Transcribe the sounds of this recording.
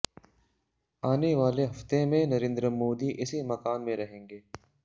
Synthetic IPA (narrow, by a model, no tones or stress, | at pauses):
aːneʋaːleɦɐft̪emẽnɐɾẽːnd̪ɾəmoːd̪iʔɪsimɐkaːnmẽɾɐɦẽːŋɡeː